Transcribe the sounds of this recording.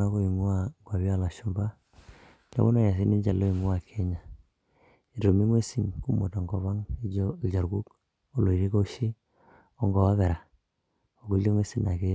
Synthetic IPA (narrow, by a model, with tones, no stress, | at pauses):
a˦ko˦i˨ŋu˦a˨ŋɡwa˨βi˦a˦la˨ʃu˨mba˦ | nḛ˦βo˦na˦˨ja˨s̬i˦ni˦ɲd͡ʒa˨lo˦i˨ŋu˦a˨kʰɛ˦ɲa˨ | i˨to˨mi˦ŋwe˦si˨nku˦mo˨ta˨ŋɡɔ˨βa˦ŋi˦˨t͡ʃa˨ɾku˦k | o˨lo˨i˨ɾi˦ko˦ʃi˦ | ɔ˦ŋɡɔ˨wa˦βɛ˨ɾa˨ | o˨ku˦le˦ŋwe˦si˨na˨ke˦